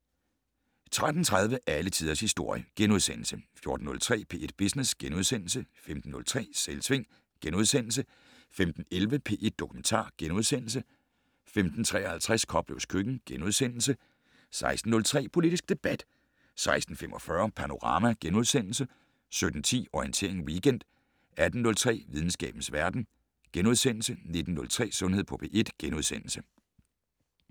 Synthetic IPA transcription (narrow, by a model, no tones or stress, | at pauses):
t͡sʰʁad̥n̩t͡sʰʁɑ̈ð̞ˠʋəʔælət͡sʰiːð̞ˠɐshisd̥o̝ɐ̰jəɡ̥enuð̞ˠsen̰l̩səfjo̝ɐd̥n̩ːɔ̽lt͡sʰʁɛ̰ːpʰe̝ːʔe̝d̥̚b̥isnesɡ̥enuð̞ˠsen̰l̩səfemd̥n̩ːɔ̽lt͡sʰʁɛ̰ːselsʰʋe̝ŋ̰ | ɡ̥enuð̞ˠsen̰l̩sə | femd̥n̩elʋəpʰe̝ːʔe̝d̥̚ːokʰument͡sʰɑ̰̈ːɡ̥enuð̞ˠsen̰l̩sə | femd̥n̩t͡sʰʁɛ̰ːɐhælt͡sʰʁaskʰɒ̽b̥lo̰skʰøɡ̥n̩ɡ̥enuð̞ˠsen̰l̩sə | sɑ̈ɪsd̥n̩ːɔ̽lt͡sʰʁɛ̰ːpʰo̝lid̥isɡ̥̚d̥e̝b̥æd̥ | sɑ̈ɪsd̥n̩femʔɒ̽fɶɐpʰɑno̝ʁɑ̈mæɡ̥enuð̞ˠsen̰l̩sə | sød̥n̩t͡sʰḭːɒient͡sʰe̝ɐeŋwiːɡ̥en̰d̥ | æd̥n̩ːɔ̽lt͡sʰʁɛ̰ːʋið̞ˠn̩sɡ̥ɛ̰ːb̥n̩sʋæɐd̥n̩ | ɡ̥enuð̞ˠsen̰l̩səne̝d̥n̩ːɔ̽lt͡sʰʁɛ̰ːsɔ̽nheð̰ˠpʰɒ̽pʰe̝̰ːʔe̝d̥ɡ̥enuð̞ˠsen̰l̩sə